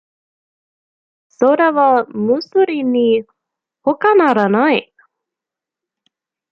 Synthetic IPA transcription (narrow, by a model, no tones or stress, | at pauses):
soɾavamusuɾini | hokanaɾanaj